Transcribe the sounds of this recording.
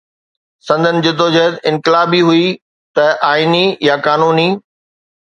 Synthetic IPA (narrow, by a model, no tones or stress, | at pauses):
sɐ̃nd̪ʱənɪ̆d͡ʑɪt̪od͡ʑɐɦt̪ɪ̃nkɪlaːbiɦui | t̪ɐʔaːinijakaːnuːniː